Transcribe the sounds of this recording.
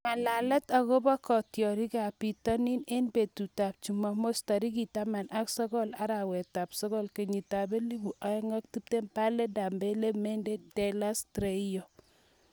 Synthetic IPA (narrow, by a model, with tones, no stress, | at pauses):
ma˨la˨lɛ˦ta˨ɣo˦ba˦kɔ˨tjɔ˨ɾi˦ka˨pi˨tɔ˦ni˦ne˦nbe˨tu˨ta˨p̚t͡ʃu˨ma˨mo˦sta˨ɾi˦ki˨ta˦ma˨nʔa˦ksɔ˦kɔ˦la˦ɾa˨wɛ˨ta˨psɔ˦kɔ˦lke˨ɲi˨ta˨be˦li˦bu˨ʔa˦ɛ˦ŋa˦k̚ti˦p̚te˦mpa˦le˦da˨mbe˦le˦me˦nde˦de˨la˦stɾe˨jo˨